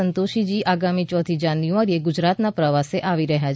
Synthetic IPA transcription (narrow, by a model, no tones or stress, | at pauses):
ənt̪oʃid͡ʒiʔaɡamit͡ʃɔt̪ʰid͡ʒanjuʋaɾieɡud͡ʒɾat̪napɾəʋaseʔaʋiɾəɦja